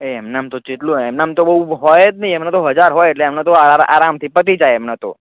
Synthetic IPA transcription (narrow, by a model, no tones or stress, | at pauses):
eɛmnaamt̪ot͡ʃit̪lũɛmnaamt̪obəɦuɦɔjet̪nĩɛmnat̪oɦəd͡ʒaɾɦojeʈleɛmnat̪oaaʔa̰ɾamt̪ʰipət̪̬id͡ʒajɛmnat̪o̰